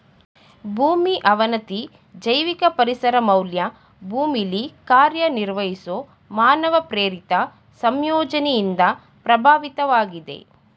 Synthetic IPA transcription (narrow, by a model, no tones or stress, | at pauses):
bʱuːmiʔɐʋɐnɐt̪i | d͡ʒɐjʋikɐpɐɾisɐɾɐmɐwljɐ | bʱuːmilikaːɾjɐniɾʋɐjiso | maːnɐʋɐpɾeːɾit̪ɐ | sɐmjɔːd͡ʒɐnɛjind̪ɐ | pɾɐbʱaːʋit̪ɐʋaːɡid̪e̞̰